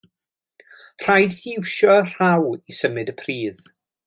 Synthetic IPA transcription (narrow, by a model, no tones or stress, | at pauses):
r̥ajdhiwʃɔr̥awisəmɨdəpʰriːð